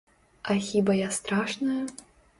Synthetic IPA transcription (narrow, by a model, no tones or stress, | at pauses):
ɐxʲibɐjast̪ɾaʂnɐjɐ